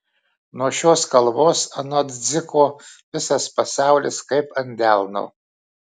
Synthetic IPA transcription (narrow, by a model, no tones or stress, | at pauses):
nuɔʃʲoːskɐlˠboːsɐnɐd̪ʲd͡z̪ʲɪkʰoːʋʲɪsɐspɐsɑˑʊlʲɪ̰skɐɪpɐnʲd̪ʲælˠno̰